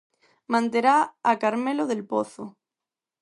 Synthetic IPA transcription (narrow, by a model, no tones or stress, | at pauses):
mãnt̪eɾaakaɾmeloðelpoθo